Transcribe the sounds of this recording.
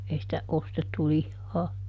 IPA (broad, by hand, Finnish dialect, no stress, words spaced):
ei sĭtæ ostetːu lihːɑː